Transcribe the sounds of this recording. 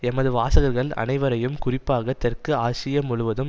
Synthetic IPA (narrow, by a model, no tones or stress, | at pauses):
ɛmɐðɯʋaːsɐɣɐɾɣɐɭɐ̰nɐɪʋɐɾɐjɯmkʊrɪpːaːɣɐt̪ɛrkɯaːsɪjɐmʊɻʊʋɐðɯm